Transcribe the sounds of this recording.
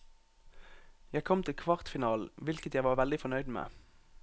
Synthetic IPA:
jæɪkʰɔmt̪ʰɪlkʰʋɑʁt̪fɪnɑːlʋɪlkət̪jæɪʋɑːʁʋɛld̪ɪfɔʁnœʏd̪mḛː

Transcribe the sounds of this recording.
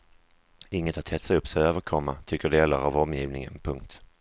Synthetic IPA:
ɪŋːət̪ʰat̪hɛt̪saɵpːsɛøːvəɾkʰɔmːat̪ʰʏkːəɖeːlaɾavɔmjiːvnɪŋə̰npʰɵŋk̚t̪

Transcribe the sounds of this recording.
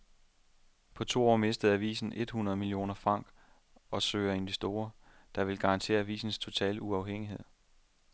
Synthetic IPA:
pʰɒ̽t͡sʰo̝̰ːɒ̰ːme̝sd̥əð̩ˠæʋḭːsn̩ʔe̝d̥hunʁɐðˠmilio̝̰ːnɐfʁɑ̈ŋ̰ɡ̥ | ɒ̽søːɐe̝nʋe̝sd̥o̝ːɐd̥ɑ̈ʋe̝lɡ̥ɑ̈ɑ̈nt͡sʰe̝̰ːɐæʋḭːsn̩st͡sʰo̝t͡sʰɛ̰ːləuɑ̈ʊɦeŋ̰iɦe̝ð̰ˠ

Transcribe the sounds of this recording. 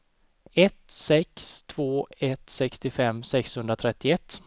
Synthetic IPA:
ɛt̪sɛkst̪ʰv̥oːɛt̪sɛkst̪ɪfɛmːsɛkshɵnd̪ɾat̪ʰɾɛt̪ːɪɛt̪ː

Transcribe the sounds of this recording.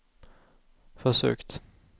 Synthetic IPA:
fœʂø̰ːkt̪

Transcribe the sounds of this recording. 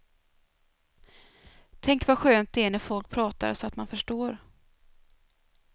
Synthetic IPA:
t̪ʰɛŋkvaɧøːnt̪̚d̪ɛæɳæɾfɔlk̚pʰɾɑːt̪a̰ɾsɔat̪manfœʂʈoːɾ

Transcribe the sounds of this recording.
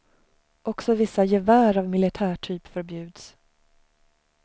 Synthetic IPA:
ʔɔksɔvɪsːajɛvæːɾavmɪlɪt̪ʰæːʈʰyːpfœɾbjʉ̟ːd̪s

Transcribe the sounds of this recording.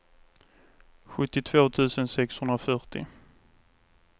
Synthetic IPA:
ɧɵt̪ːɪt̪ʰvoːt̪ʰʉ̟ːsənsɛkshɵnd̪ɾafœʈɪ̰

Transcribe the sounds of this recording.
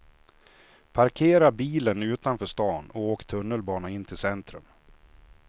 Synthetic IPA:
pʰaɾkʰeːɾabiːlənʉ̟ːt̪anfœːʂt̪ɑːnɔoːkt̪ʰɵnːəlbɑːnaɪnːt̪ʰɪlsɛnt̪ɾɵ̰m

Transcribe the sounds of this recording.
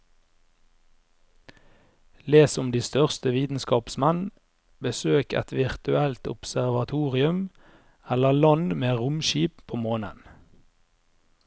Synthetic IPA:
leːsʊmd̪iːst̪œʁst̪əʋiːt̪n̩skɑːpsmɛn | bəsøːkɛ̰t̪ʋɪʁt̪ʉælt̪ʊ̰psæʁʋɑt̪ʰuːʁɪʉm | ɛləlɑnmeːʁʊmʃiːppʰoːmoːnə̰n

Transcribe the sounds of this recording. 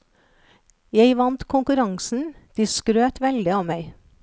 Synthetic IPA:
jæɪʋɑnt̪kʰʊŋkʉɾɑŋsn̩d̪̥iːskɾøːt̪ʋɛld̪ɪɑːʋmæɪ

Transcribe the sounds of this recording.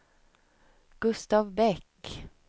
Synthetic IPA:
ɡ̥ʉst̪ɑʋbɛk

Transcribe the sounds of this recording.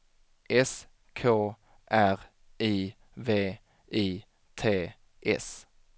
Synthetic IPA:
ʔɛs | kʰoː | ʔæʁ | iː | veː | ʔiː | t̪ʰeː | ʔɛ̰s

